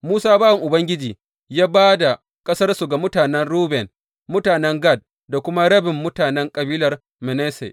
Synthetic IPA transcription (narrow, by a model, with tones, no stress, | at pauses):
muː˦saː˦baː˦wɐ˨ŋʔʊ˨bɐ˦ŋɡʲɪ˦d͡ʒiː˨ | jaː˦baː˦da˨ | kʼɐ˦sɐ˦rsu˨ɡa˨mʊ˦taː˨nɛ˦nɽuː˦bɛ˨n | mʊ˦taː˨nɛ˦ŋɡa˦˨d̚ | da˨kʷʊ˦ma˦ɽɐ˦bɪ˨mːʊ˦taː˨nɛ˦ŋkʼɐ˨biː˦lɐ˨r | mɪ˨nɛ˦sḛ˨